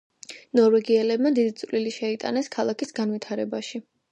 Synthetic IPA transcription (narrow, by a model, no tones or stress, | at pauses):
nɔɾvɛɡiɛlɛbmad̪id̪it̪sʼvliliʃɛit̪ʼa̰nɛskʰalˠakʰisɡanwit̪ʰaɾɛbaʃi